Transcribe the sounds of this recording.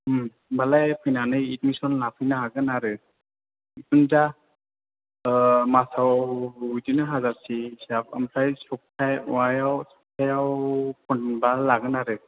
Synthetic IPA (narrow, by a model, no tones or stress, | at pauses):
m | balajpʰɯjnanɯjitmisɔnlapʰɯjnaaɡɯnaɾɯ | itunda | masawujtinɯɦazasisapʰa̰mpʰajsɔk̚tʰajwajawsɔk̚tʰajawpʰɔnnbalaɡɯnaɾɯ